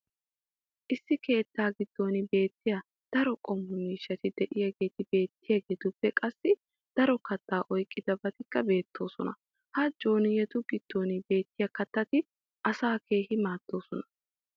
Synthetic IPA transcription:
ʔɪsːɪke̞ːt̪ːaːɡɪd̪̥ːo̞ːnɪbe̞ːt̪ːɪjɐ | d̪̥ɐɾɔkʼɔmːʊmiːʃːɐt̪ɪd̪ɛʔɪjɐɡe̞ːt̪ɪbe̞ːt̪ːɪjɐɡeːt̪ʊpːɛkʼɐsːɪ | d̪̥ɐɾɔkɐt̪ːaːʔɔjkʼːɪd̪ɐbɐt̪ɪkːɐbe̞ːt̪ːo̞ːsɔnɐ̰ | hɐd͡ʒo̞ːnɪjɛt̪ʊɡɪd̪̥ːo̞ːnɪbe̞ːt̪ːɪjɐkɐt̪ːɐt̪ɪ | ʔɐsaːke̞ːhɪmaːd̪̥ːo̞ːsɔnɐ̥

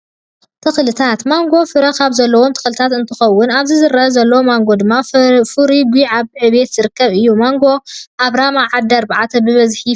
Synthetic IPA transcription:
t̪ʰɨxlɨt̪ʰat̪maŋɡo̞fɨɾɐkʰaβzɐlːɐwo̞mt̪ʰɨ̥xlɨt̪ʰat̪ɨnt̪ʰɨxɐwːʊnaβzizɨɾɐzɐlːɐwomaŋɡo̞d̪ɨmːafuɾiɡʷiʕaβʕɨβe̞t̪z̥ɨɾɨkːɐβɨjːumaŋɡo̞ʔaβɾamaʕad̪ɐɾbʕat̪ʰɐbɨβɐzħi

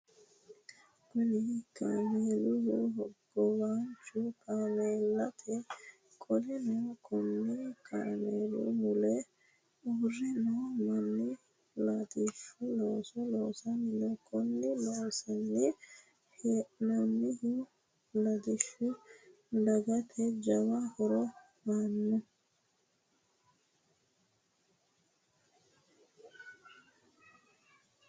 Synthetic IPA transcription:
kʊnɪkʰaːmeːlʊjɔɦɔbːɔwaːnt͡ʃʊkaːmeːlːɐt̪ʰɛ | kʼɔlɪnɔkʰɔnːɪkʰaːmeːlʊ̰mʊlɛ | urːɪnɔmɐnːɪ | lɐd̪ɪʃʊloːsɔloːsɐnɪlɔkʰːɔnːɪloːsɐnːɪ | henɐnːɪhɪ | lɐd̪ɪʃːʊ | d̪ɐɡɐt̪ʰɛd͡ʒɐwahɔɾɔ | maːnːʊ

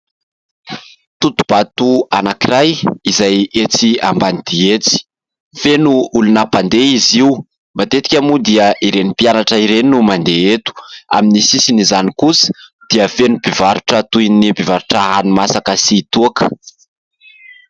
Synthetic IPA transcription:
t̪ut̪u̥b̥at̪uanakirajizajet͡siambanid̪̥iet͡si̥ | fenuulunapand̪eiziw | mbat̪et̪i̥kʲamud̪iəʔiɾenipijanaʈ͡ʂəiɾeninumand̪eet̪u̥a̰minisisinizanikusə̥d̪̥iəfenubivaɾuʈ͡ʂət̪ujnibivaɾuʈ͡ʂaɦanimasakəsit̪uakə̥

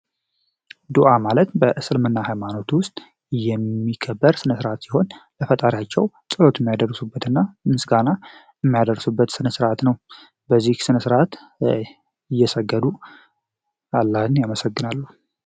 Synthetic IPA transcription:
d̪uʔamalət̪bəʔɨsɨlmɨnːahajmanot̪wʊst̪ʼ | jɛmːikʰəbːəɾsɨnəsɨɾʔat̪siho̞nləfət̪ʼaɾjat͡ʃːɛw | sʼɨlo̞t̪jɛmːijad̪ərsubːət̪ɨnːamɨsɡana | jɛmːijad̪ərsubːət̪sɨnəsɨɾʔat̪nəw | bəzːihsɨnəsɨɾat̪ | ɪjːɛsəɡːəd̪u | alːahɨnjaməsəɡːɨnalːu

